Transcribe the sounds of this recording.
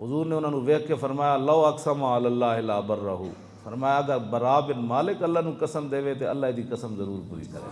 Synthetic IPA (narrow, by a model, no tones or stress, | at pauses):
ɦʊzuːɾneʊnaːnũːʋeɦkʰːefɐɾmaːjalɐɐksɐmaɐlalːaːɦɪlaːbɐɾːɐɦṵː | fʰɐɾmaːjaɡɐbɐɾaːbɪnmaːlɪkɐlːaɦnũːkɐsəmd̪eːʋet̪eɐlːaːɦd̪iːkɐsəmzɐɾuːɾpʊɾḭːkɐɾḛː